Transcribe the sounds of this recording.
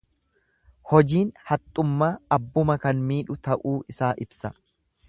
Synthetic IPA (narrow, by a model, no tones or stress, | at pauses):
hɔd͡ʒiːnhɐt̪ʼːʊmːaːɐbːʊmɐkɐnmiːᶑʊt̪ɐʔuːʔɪsaːʔɪbsɐ